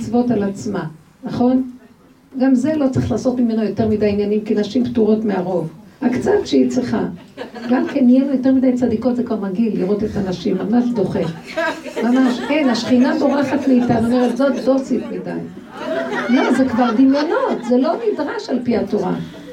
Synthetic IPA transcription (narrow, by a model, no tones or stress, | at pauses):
t͡svo̞talat͡sma | naχo̞n | ɡamze̞lo̞t͡saʁiχlaːso̞tmime̞nojo̞te̞ʁmidajinjanimkinaʃimptuʁo̞tmeaʁo̞vakt͡satʃeit͡sʁiχa | ɡamkenːijenojo̞te̞midajt͡sadiko̞tzekvaʁmaɡilːiʁo̞te̞tanaʃimlamaʃdo̞χe̞ | mamaʃʔenaʃχinado̞ʁaχatleitanonoatzotlo̞sitmida̰j | lo̞zekvaʁdinjono̞tzelo̞nidʁaʃalpiatoʁa̰